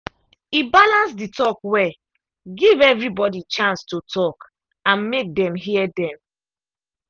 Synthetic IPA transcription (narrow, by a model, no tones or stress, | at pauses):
ibalãnsditʰɔkwɛ | ɡivɛvɹibɔdit͡ʃãnstotʰɔk | ãnmek̚dɛ̃mɦiɛdɛ̃m